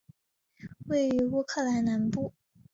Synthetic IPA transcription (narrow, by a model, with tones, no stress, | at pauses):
we˥˩ɪy˧˥u˥˧kʰɤ˥˩la˧˥nna˧˥npu˥˩